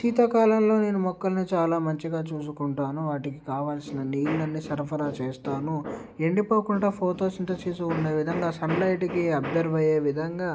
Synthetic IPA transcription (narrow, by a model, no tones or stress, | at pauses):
t̪iːt̪ɐkaːlɐmlo̞ːne̞ːnumɔkːɐlɐnit͡ʃaːlaːmɐɲt͡ʃiɡaːt͡ʃuːsukuɳʈaːnuʋaːʈikikaːʋaːlsinɐniːlnɐnːisɐɾpʰɐɾaːt͡ʃeːst̪aːnu | eɳɖipoːkuɳɖaːpʰoːʈo̞ːsint̪ɐt͡ʃeːsuuɳɖe̞ːʋid̪ʱɐŋɡaːsɐnlɐjʈikiɐbd̪ɐɾʋɐje̞ːʋid̪ʱɐŋɡaː